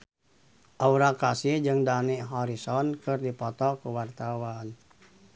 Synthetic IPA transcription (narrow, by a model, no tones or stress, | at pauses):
ʔauɾakasihd͡ʒɨŋdaniʔɦɔɾisɔnkɨrdipɔt̪ɔkuwart̪awan